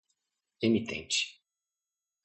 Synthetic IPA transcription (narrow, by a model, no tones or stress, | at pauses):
emit̪ḛ̃nt͡ʃɪ̥